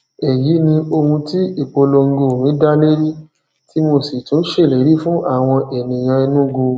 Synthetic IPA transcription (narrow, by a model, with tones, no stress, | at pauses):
ɛ˨ji˨˦nĩ˧o˧hũ˧ti˦i˦˨k͡po˧lo˧ŋ̩˧ɡo˧˨mĩ˨˦da˦le˦ɾi˦ | ti˦mo˧˨se˨tũ˨˦n̩˦ʃe˦˨le˨˦ɾi˦fũ˦ʔa˦˨w̃ɔ̃˧ʔɛ˨nĩ˨j̃ã˧i˧nũ˦ɡo˧